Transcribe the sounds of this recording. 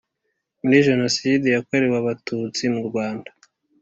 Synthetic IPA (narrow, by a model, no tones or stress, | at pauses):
muɾiʒe̞nosidejakoɾewaβatut͡simuɾɡwaːndḁ